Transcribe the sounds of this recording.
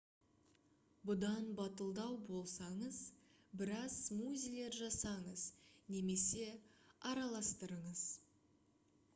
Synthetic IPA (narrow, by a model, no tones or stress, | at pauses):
bʊd̪ɑnbɑt̪əlˠd̪ɑwbo̞lˠsɑɴəz | bɪɾɑzmuzʲijlʲe̞ɾʒɑsɑɴəzne̞me̞se̞ɑɾɑlˠɑst̪əɾəɴəz